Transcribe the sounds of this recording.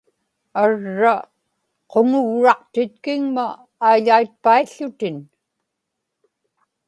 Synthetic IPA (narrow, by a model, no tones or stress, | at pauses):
aɻːa | qoŋʊɣɻɑqt̪ɪt̪̚kɪŋmaː | jʎait̪̚paiɬːʊt̪ɪn